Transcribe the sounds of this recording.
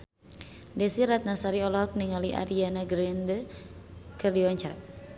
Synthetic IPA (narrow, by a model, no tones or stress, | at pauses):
dɛsiɾat̪̚nasaɾiɔlɔɦɔk̚niŋaliʔa̰ɾianaɡɾɛndə | kɨrdiwɔɲt͡ʃaɾa